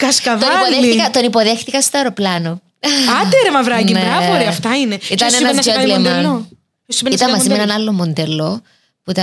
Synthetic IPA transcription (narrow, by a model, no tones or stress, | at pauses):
kɐskɐvtoɐipolðexiikɐt̪o̞nipoðexθikɐst̪oeɾoplɐno | ɐd̪eɾemɐvɾɐnineɾɐvoɾiɐft̪ɐineit̪ɐnsenɐzolemɐn | osimenist̪ɐmːɐzzienɐnɐlːomːond̪elːo | puit̪ɐ